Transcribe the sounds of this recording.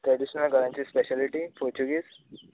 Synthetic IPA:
ʈɾeɽiɕnəlɡʱəɾãɲt͡ɕiːspeɕaliʈipoɾt͡ɕuɡiːs

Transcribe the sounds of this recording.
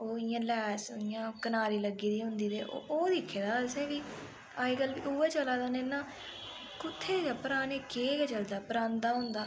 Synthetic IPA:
oːɪjãːlɛːsɪjãːkənaːɾiːləɡiːd̪iːɦʊ̃nd̪iːd̪eːʔo̰oːd̪iːkʰːeːd̪aːd̪əsẽːkiː | aːikəlʋḭːʔuːeːt͡ʃəlaːd̪aːneːnãː | kʊt̪ʰːeːɡaːpəɾaːneːkeːɡɛːt͡ʃəld̪aːpəɾãːnd̪aːɦʊ̃nd̪aː

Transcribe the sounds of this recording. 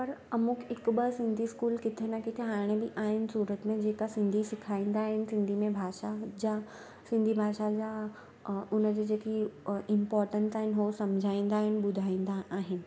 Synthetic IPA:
pɐɾɐmʊkɪkɓəsɪ̃nd̪ʱiskuːlkɪt̪ʰenakɪt̪ʰeɦaːɽ̃ebiʔaːɦɪnɪ̆suːɾət̪mẽd͡ʑeːkasɪ̃nd̪ʱisɪkʰaːĩːn̆d̪aːɦɪnɪ̆sɪ̃nd̪ʱimẽbʱaːʃad͡ʑa | sɪ̃nd̪ʱibʱaːʃad͡ʑa | ʊnəd͡ʑed͡ʑeːkiɪmpɔːɾʈənsaːɦɪnɦosɐmd͡ʑʱaːĩːnd̪aːɦɪnɪ̆ɓʊd̪ʱaːĩnd̪aʔaːɦɪnɪ̆

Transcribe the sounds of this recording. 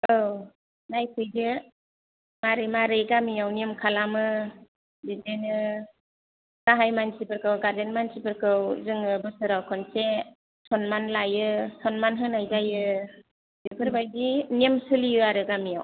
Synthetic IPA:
ɯw | najpʰɯjdɯ | maɾɯjmaɾɯjɡamijawnimkʰalamɯ | didenɯ | saɦajmansipɯɾkɯwɡaɾdenmansipʰɯɾkʰɯwzɯŋɯbɯsɯɾawkʰɔnse | sʰɔnmanlajɯsʰɔnmanɦɯnajzajɯ | dipʰɯɾbajzinimsɯliɯaɾɯɡamijaw

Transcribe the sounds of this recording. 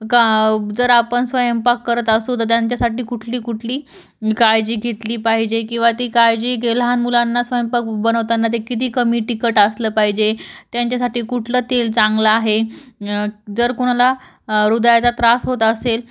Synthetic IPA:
kd͡zəɾapəɳsʋəjəmpakːəɾət̪əsot̪əɾt̪jaɲt͡ɕjasaʈiːkuʈʰliːkuʈʰliː | kajd͡ʑiːɡʱet̪liːpaɦid͡ʑekĩw̃ʋat̪iːkajd͡ʑiːɡelɦanmulanːasʋəjəmpakbənəʋt̪anːat̪̬ekit̪iːkəmiːʈikəʈəsləːpaɦid͡ʑet̪jaɲt͡ɕjasaʈiːkuʈʰləːt̪elt͡sãŋɡlaːɦe | d͡zəɾkuɽ̃ala | ɾud̪jat͡sat̪ɾasɦot̪əsel

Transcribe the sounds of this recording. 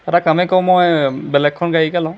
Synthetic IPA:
ɛtakamɛkɔwmɔjbɛlɛkʰːɔnɡaikalã

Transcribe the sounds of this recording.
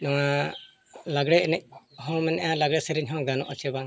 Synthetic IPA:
nɔŋa | laɡɽɛɛnɛc̚ɦɔ̃mɛnɛʔjalaɡɽɛsɛɾɛɲɦɔ̃ɡanɔʔɔt͡ʃʰɛbaŋ

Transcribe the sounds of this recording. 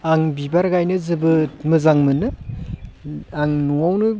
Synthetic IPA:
aŋbibaɾɡajnɯzɯbɯtmɯzaŋmɯnɯ | aŋnuawnɯ

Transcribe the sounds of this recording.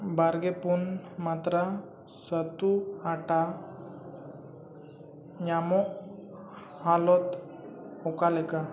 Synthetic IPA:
baɾɡɛpunmat̪ɾa | sət̪uaʈa | ɲamɔʔ | halɔt̪ | ɔkalɛka

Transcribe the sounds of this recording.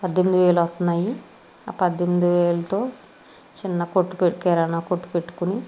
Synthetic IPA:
pɐd̪ʱːemid̪iʋeːlɐɐt̪unːaːji | apɐd̪ʱːemid̪iʋeːlɐt̪oː | t͡ʃinːɐkoʈːupeʈkɛːɾanaːkoʈːu̥peʈːu̥kuni

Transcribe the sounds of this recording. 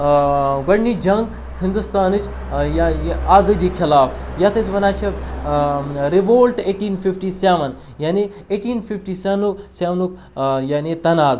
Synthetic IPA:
ɡɐɽniːd͡ʒɐŋɡ | hind̪ust̪aːnɨt͡ʃ | jaaːzɐd̪iːkʰilaːfjat̪ɐsʲʋɐnaːt͡ʃʰe | ɾiʋoːlʈeːʈiːnfifʈiːsaːʋɐn | jaːni | eːʈiːnfifʈiːsaːnusaːʋnuk | jaːnit̪ɐnaːz

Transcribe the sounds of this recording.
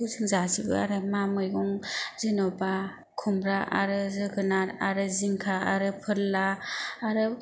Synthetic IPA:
uzɯŋzasibɯ̰a̰ɾɯmamɯjɡɔŋzɯnɔba | kʰumɾaʔa̰ɾɯzɯkʰɯnaɾaɾɯziŋkʰaaɾɯpʰɯɾlaːɾɯ

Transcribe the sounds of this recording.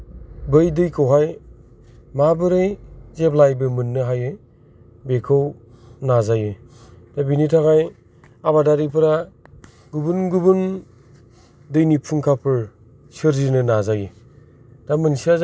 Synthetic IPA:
bɯjdɯjkʰɯwɦaj | mabɯɾɯjzeplajbɯmɯnːɯɦajɯj | bekʰaw | nazajɯd̥abinitʰaŋaj | aβadaɾipʰɯɾa | ɡubunɡubun | dɯjnipʰuŋkʰapʰɯɾ | sɯɾzinɯnazajɯ | d̥amɯnsia

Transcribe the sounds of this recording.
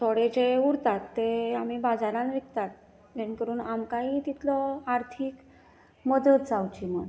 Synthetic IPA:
sʰoɽet͡ɕeuɾt̪at̪ːeam̤iːbad͡zaɾãnʋik̚t̪at̪̚ | d͡ʑenkəɾuːnamkaɦiːt̪it̪ʰlɔaɾt̪ʰiːk | məd̪ət̪d͡zawt͡ɕiməɽ

